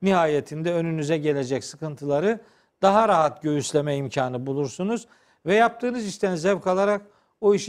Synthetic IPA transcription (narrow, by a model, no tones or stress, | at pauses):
niɦaːje̞t̪ʰind̪ɛø̞nynyzɛɟe̞lʲe̞d͡ʒɛcsɯkɯnt̪ʰɯlˠaɾɯ | d̪̥aɦaɾaɦat̪ɟøjyslʲe̞mɛimcʰaːnɯbulˠuɾsunuz | vɛjap̚t̪ʰɯːnɯziʃt̪ʰænzɛvkʰalˠaɾak | oiʃ